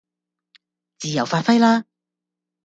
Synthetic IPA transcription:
t͡siː˨˧jɐ˨˩wfaː˧t̚fɐ˥jlaː˥

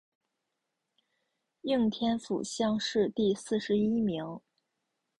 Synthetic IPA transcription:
ji˥˩ŋt̪ʰjɛ˥nfṵ˨˩ɕjɑ˥ŋʂɻ̩˥˧t̪i˥˧sɹ̩˥˩ʂɻ̩˧˥i˥mi˧˥ŋ

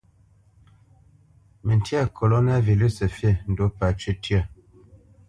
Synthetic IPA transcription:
mə˨nti˦a˦˨kʰo˨lo˦na˦vi˨li˦sə˨fje˦˨n̩˨do˨˦pa˨t͡ʃʉ˦tʰɥə˦˨

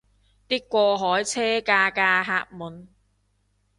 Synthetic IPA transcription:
t̪iː˥kːʷɔː˧ɦɔː˨˥jt͡sʰɛː˥kaː˧kaː˧ɦaː˧k̚muː˨˩n

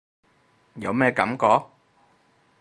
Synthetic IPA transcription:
jɐ˨˧wmɛː˥kɐ̰˨˥mkɔː˧˥k̚

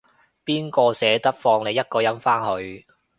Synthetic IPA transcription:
piː˥nkɔː˧sɛː˨˥t̪ɐ˥k̚fɔː˧ŋne˨˧jɐ˥t̚kɔː˧jɐ˥mfaː˥nɦɵ˨˧ɥ

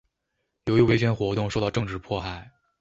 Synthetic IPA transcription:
jo˧˥ʊy˥˩we˥ɕʰɥɛ˧˥nxwɔ˧˥t̪ʊ˥˧ŋʂʊt̪ʈ͡ʂɤ˥˧ŋʈ͡ʂɻ̩˥˩pʰwɔ˥˧xa˨˩ɪ

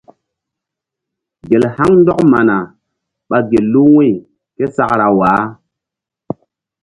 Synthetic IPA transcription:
ɡe˨lha˦ŋn˦dɔ˦kma˨na˨ | ɓa˨ɡe˨lːu˦we˦˨ | ke˦sa˦˨kɾa˨waː˨˦

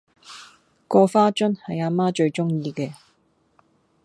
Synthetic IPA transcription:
kɔː˧faː˥t͡ʃɵ˥nhɐ˨jaː˧maː˥t͡ʃɵ˧ɥt͡ʃʊ˥ŋjiː˧kɛː˧

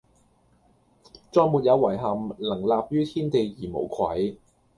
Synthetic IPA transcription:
t͡ʃɔː˧jmuː˨t̚jɐ˨˧wwɐ˨˩jɦɐ˨mlɐ˨˩ŋlaː˨˧p̚jyː˥t̪ʰiː˥nt̪e˨jjiː˨˩mo̰˨˩wkʰɐ̰˨˥j

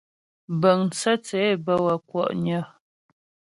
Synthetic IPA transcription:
bə˨ŋn˨sa˦t͡sɛ˨˦˨bə˦wa˨kwɔ̰˦˨ʔɲə˦

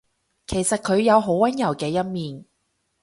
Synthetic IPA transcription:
kʰe˨˩jsɐ˨t̚kʰɵ˨˧ɥjɐ˨˧wɦo˨˥wwɐ˥njɐ˨˩wkɛː˧jɐ˥n̚miː˨n

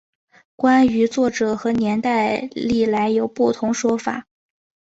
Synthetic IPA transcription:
kwa˥ny˧˥t͡swɔ˥˩ʈ͡ʂɤ˨˩xɤ˧˥njɛ˧˥nt̪a˥˧ɪli˥˩la˧˥ɪjo˨˩ʊpu˥˩t̪ʰʊ˧˥ŋʂwɔ˥fa̰˨˩˦

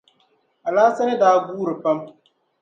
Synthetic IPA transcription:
a˨laː˦sa˦nɪ˦daː˦ɡuː˦ɾɨ˨pa˦m

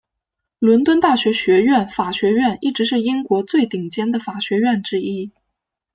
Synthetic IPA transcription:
lwə˧˥nt̪wə˥nt̪a˥˩ɕɥɛ˧˥ɕɥɛ˧˥ɥɛ˥˩nfa˨˩ɕɥɛ˧˥ɥɛ˥˧ni˥˩ʈ͡ʂɻ̩˧˥ʂɻ̩˥˩i˥ŋkwɔ˧˥t͡swe˥˩ɪt̪i˨˩ŋt͡ɕjɛ˥nd̪ə˨fa˨˩ɕɥɛ˧˥ɥɛ˥˩nʈ͡ʂɻ̩˥i˥

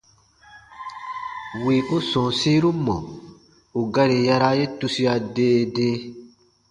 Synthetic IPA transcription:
wi˨ʔu˦sɔ̃˨si˦ɾu˦mɔ̰̃˨ | u˨ɡa˦ɾi˨ja˧ɾa˦je˦tu˦si˦a˧deː˦˨deː˦

